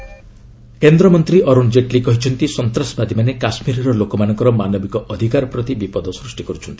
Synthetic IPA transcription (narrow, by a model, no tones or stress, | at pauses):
kend̪ɾɔmɔnt̪ɾiʔɔɾund͡ʒeʈlikɔɦit͡ʃʰɔnt̪isɔnt̪ɾasbad̪imanekasmiɾɔɾɔlokɔmanɔŋkɔɾɔmanɔbikɔʔɔd̪ʱikaɾɔpɾɔt̪ibipɔd̪ɔsɾusʈikɔɾut͡ʃʰɔnt̪i̥